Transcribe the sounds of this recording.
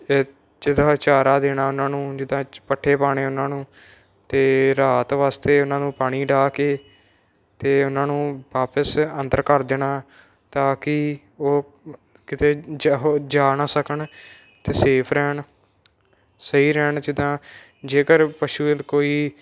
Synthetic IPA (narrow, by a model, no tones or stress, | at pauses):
d͡ʒɪd̪ãːt͡ʃaːɾaːd̪eːnaːʊnãːnũːd͡ʒɪd̪ãːpəʈʰːeːpaːɽ̃eːʊnãːnũː | t̪eːɾaːt̪ʋaːst̪eːʊnãːnũːpaːɽ̃iːɖaːkeː | t̪eːʊnãːnũːʋaːpəsənd̪əɾkəɾd̪eːnaː | t̪aːkɪ | oː | kɪt̪eːɦoːd͡ʒaːnaːsəkəɳ | t̪eːseːpʰɾɛːɳ | səiːɾɛːɳd͡ʒɪd̪ãː | d͡ʒeːkəɾpəʃuːkoːiː